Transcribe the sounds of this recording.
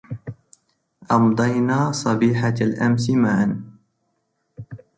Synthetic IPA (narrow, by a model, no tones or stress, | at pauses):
ʔɑmd̪ˤɑjnaːsˤɑbiːħaalʔamsɪmaʕn